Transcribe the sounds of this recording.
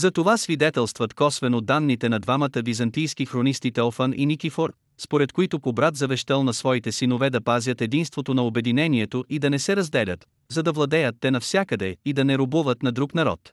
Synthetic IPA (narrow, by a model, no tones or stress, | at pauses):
zɐt̪ovasvid̪ɛt̪ɛlˠst̪vət̪kɔsvɛnod̪ːanːit̪ɛnɐd̪vamɐt̪əvizɐnt̪ijskixɾonist̪it̪ɛlˠfənḭnikifoɾ | spoɾɛt̪koit̪opobɾat̪zɐvɛʃt̪ɛlˠnɐsvɔit̪ɛsinovɛd̪ɐpazʲjət̪ɛd̪inst̪vot̪onɐobɛd̪inɛniɛt̪oʔid̪ɐnɛsɛɾɐzd̪ɛlʲə̰t̪ | zɐd̪ɐvlˠɐd̪ɛjət̪ːɛnɐfsʲakəd̪ɛid̪ɐnɛɾobuvət̪nɐd̪ɾuknɐɾɔ̰t̪